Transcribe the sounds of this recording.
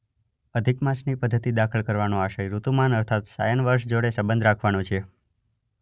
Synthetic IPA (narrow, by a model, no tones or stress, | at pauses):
əd̪ʱikmãsnipəd̪ʱːət̪id̪akʰəlkəɾʋanoaʃəjɾut̪umanəɾt̪ʰat̪sa̰jənʋəɾʃd͡ʒoɽesəbənd̪ʱɾakʰʋanot͡ʃʰe